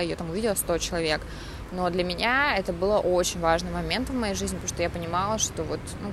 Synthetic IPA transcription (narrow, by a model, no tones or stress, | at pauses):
ɪjot̪amʊvʲidʲɪlˠəst̪o̞t͡ɕɪlˠɐvʲe̞k | no̞d̪lʲəmʲɪnʲaɛt̪əbɨlˠəʔot͡ɕɪnʲvaʐnɨmɐmʲe̞nt̪vmɐjejʐɨzʲnʲɪpəoʂt̪ojapənʲɪmɑlˠəʂt̪o̞vot̪nu